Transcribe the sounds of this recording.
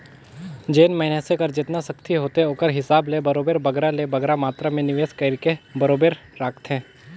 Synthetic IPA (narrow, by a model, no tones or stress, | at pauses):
d͡ʒeːnmɐɦɪnesekəɾd͡ʒɪt̪nasɐkt̪ʰiɦoːt̪eoːkəɾɦɪsaːblebɐɾoːbeːɾbɐɡɾalebɐɡɾamaːt̪ɾamẽnɪʋeːskəɾkebɐɾoːbeːɾːaːkt̪ɦɛ̃ː